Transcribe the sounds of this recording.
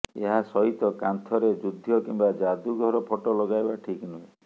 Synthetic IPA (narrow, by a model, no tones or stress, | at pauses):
ḛɦasɔɦit̪ɔkant̪ʰɔɾed͡ʒud̪ʱːjɔkimbad͡ʒad̪uɡʱɔɾɔpʰɔʈɔlɔɡajbaʈʰiknui